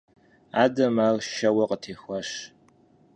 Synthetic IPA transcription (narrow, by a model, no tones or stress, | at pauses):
aːdɐmɐrʃɐwɐqʼətʰeːxʷɐʃ